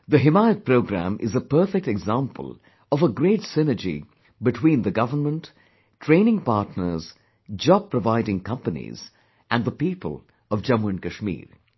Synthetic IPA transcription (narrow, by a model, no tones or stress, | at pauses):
ðəɦɪmaɪət̚pʰɾoʊɡɾæ̰̃mʔɪ̰zəpəːfɛk̚tɛɡzãmpə̰lˠ | ʌvəɡɾeɪtsɪnə˞d͡ʒḭ | bɨtʰwĩːnðəɡʌvəmə̃ntʰː | ɹ̥ẽɪ̃nɪ̃ŋpaːtnə˞z | d͡ʒɔb̚pʰɹəvaɪɾɪ̃ŋkʰʌ̃mpənḭz | ʔæ̃nðəpiːpə̰lˠ | ʌvd͡ʒʌmuə̃nkəʃmḭːɾ